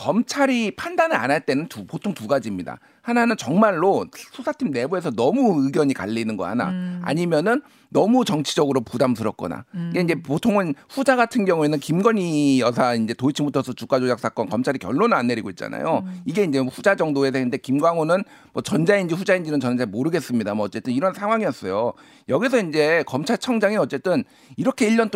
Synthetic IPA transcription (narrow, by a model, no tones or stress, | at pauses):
kʌmt͡ɕʰaɾipʰandanɯa̰naɭt͈e̞nɯntupotʰoŋtuɡad͡ʑimɲida̰ | hananɯnt͡ɕʌŋmaɭːosʰosʰatʰimne̞boe̞sʰʌnʌmuɯɡjʌɲika̰ʎːinɯnɡʌ̰ɦana̰a̰ɲimjʌnɯnː | ʌmut͡ɕʌŋt͡ɕʰid͡ʑʌɡɯɾopudamsʰɯɾʌk̚k͈ʌ̰na̰iɡe̞ind͡ʑe̞potʰoŋɯnɸud͡ʑaɡatʰɯnɡjʌŋue̞nɯnkimɡʌɲijʌsʰaind͡ʑe̞toit͡ɕʰimutʰʌsʰʌt͡ɕuk͈ad͡ʑojak̚s͈ak͈ʌnkʌmt͡ɕʰaɾikjʌɭːonɯnanːe̞ɾiɡoit̚t͡ɕ͈a̰na̰joiɡe̞ind͡ʑe̞ɸud͡ʑad͡ʑʌŋdoe̞s̬ʰenɯnde̞kimɡwaŋonɯn | mwʌt͡ɕʌnd͡ʑaind͡ʑiɸud͡ʑaind͡ʑinɯnt͡ɕʌnd͡ʑaimoɾɯɡe̞s͈ɯmɲidamʌʌt͡ɕ͈e̞t͈ɯniɾʌnsʰaŋwaŋijʌs͈ʌjo | jʌɡis̬ʰʌind͡ʑe̞kʌmt͡ɕʰaɭt͡ɕʰʌŋd͡ʑaŋiʌt͡ɕ͈e̞t͈ɯn | iɾʌkʰe̞iʎːʌnt